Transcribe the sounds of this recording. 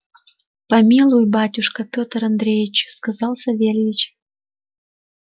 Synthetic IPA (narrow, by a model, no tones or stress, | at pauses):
pɑmʲilˠujbɑtʲuʃkəpʲot̪rɑnd̪ɾʲejit͡ɕskɑzɑlˠsəβelʲjit͡ɕ